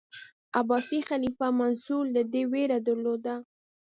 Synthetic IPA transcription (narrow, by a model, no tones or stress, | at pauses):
abɑsixalifamansuld̪əd̪eweɾad̪əɾlod̪a